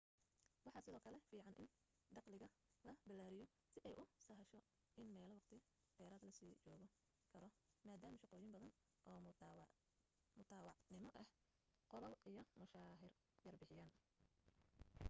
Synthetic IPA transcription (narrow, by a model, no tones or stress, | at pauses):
wɑħɑsɪðɔːkʰɐlɛfiːʕɑnʔɪ̰n | d̪ɑqlɪɣɐ | lɐbɐlːaːɾɪjɔ | sɪʔɛjʔʊsɐɦɐʃɔ | ʔɪnmɛːlɐwɑqt̪ʰɪ | d̪̥ɛːɾɐːd̪lɐsiːt͡ʃɔːɣɔ | kʰɐɾɔmaːd̪aːmɐʃɑqɔːjɪmbɐðɐn | ʔɔː | mʊt̪ʰaːwɑʕnɪmɔʔɛh | qɔlɔlʔijɔmʊʃaːɦɪr | jɐrbɪħɪjaːn